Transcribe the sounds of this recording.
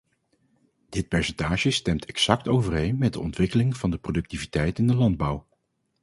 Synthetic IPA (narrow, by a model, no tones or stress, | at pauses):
d̥ɪt̚pɛɹsɛntaːʒəstɛmtʰɛksɑk̚towvərejnmɛd̚dəɔntʋɪkəlɪŋv̥ɑndəprodɵk̚tivitɛjtɪndəlɑnd̚bʌw